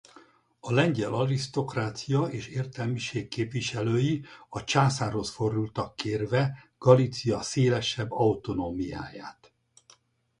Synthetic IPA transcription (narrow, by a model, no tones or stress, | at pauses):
ɒlɛɲɟɛlɒrist̪o̞kraːt̪sijɒeːʃeːrt̪ɛlmiʃeːkkːeːpʋiʃɛløːjiɒt͡ʃaːsaːrho̞sfo̞rd̪ult̪ɒkːeːrvɛɡ̥ɒlit̪sijɒseːlɛʃɛbːɒut̪o̞noːmija̰ːja̰ːt̪